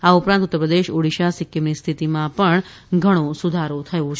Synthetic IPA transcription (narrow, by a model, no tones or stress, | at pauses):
aupɾãnt̪ʊt̪ːəpɾəd̪eʃoɽiʃasikjemnist̪ʰit̪imãpəɳ | ɡʱəɽ̃õsud̪ʱaɾot̪ʰəjõt͡ʃʰ